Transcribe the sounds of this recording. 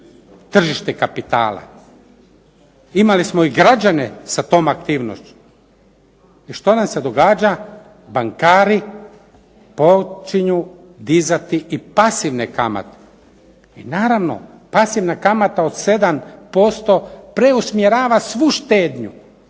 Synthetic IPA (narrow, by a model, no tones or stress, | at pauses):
t̪r̩ʒiʃt̪ekapit̪a̰ːla̰ | imalismoiɡɾad͡ʒanesat̪o̞ːmakt̪iːʋno̰st͡ɕu̥ | iʃt̪o̞namse̞d̪oɡaːd͡ʒa | baŋkaːɾi | po̞t͡ʃiɲu | d̪izat̪iʔipasiʋnekama̰t̪e̥ | inaːɾaʋno̰ | pasiʋnakamat̪aod̪se̞d̪ampo̞st̪opɾeusmjeɾaːʋasʋuʃt̪eːd̪ɲu